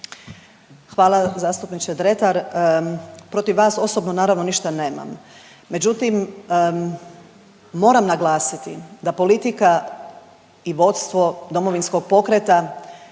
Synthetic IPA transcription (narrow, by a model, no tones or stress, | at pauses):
xʋaːlazaːst̪upnit͡ʃed̪ɾe̞t̪aɾ | pɾo̞t̪iʋːʋaːso̞so̞bno̞naːɾaʋno̞niʃt̪ane̞ːma̰mː | e̞d͡ʑut̪im | o̞ːɾamnaɡlaːsit̪id̪apo̞lit̪ika | iʋo̞t̪st̪ʋo̞d̪o̞mo̞ʋinsko̞ɡ̚po̞kɾet̪a